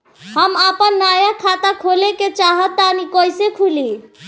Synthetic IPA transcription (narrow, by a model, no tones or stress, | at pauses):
həmapənːajakʰat̪akʰoleket͡ʃaɦət̪ːanikojsekʰuli